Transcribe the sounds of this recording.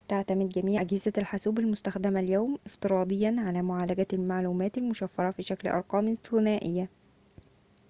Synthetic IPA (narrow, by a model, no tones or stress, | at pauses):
t̪aʕt̪æmed̪̚ɡæmiːʕʔæɡhɪzælħasuːbælmost̪æxd̪æmæljæːmʔɪft̪ɨɾˤɑːd̪ˤejːɑnʕalæːmoʕaːlæɡælmaʕluːmæːt̪ælmʊʃæfːɑɾˤɑfiʃæklʔɑ̰ɾˤqɑːmθʊnæːʔɪ̰jːæ